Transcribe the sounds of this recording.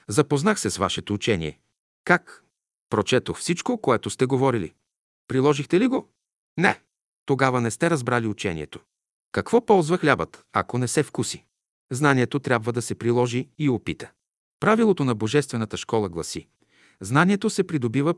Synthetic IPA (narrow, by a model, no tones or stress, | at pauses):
zɐpoznaxsɛsva̰ʃɛt̪out͡ʃɛnʲḭɛ̰ | kak | pɾot͡ʃɛt̪oxfsit͡ʃkokoɛt̪ost̪ɛɡovɔɾilḭ | pɾilˠɔʒixt̪ɛliɡo | nɛ | t̪oɡavɐnɛst̪ɛɾɐzbɾaliut͡ʃɛ̰nʲḭɛ̰t̪o̥ | kɐkv̥ɔpɔlˠzvɐxlʲabət̪ɐ̰konɛsɛfkusi | znaniɛt̪ot̪ɾʲabvɐd̪ɐsɛpɾilˠɔʒiːopit̪ə̥ | pɾavilˠot̪onɐboʒɛst̪vɛnɐt̪əʃkɔlˠɐɡlˠɐsi | znaniɛt̪osɛpɾid̪obivə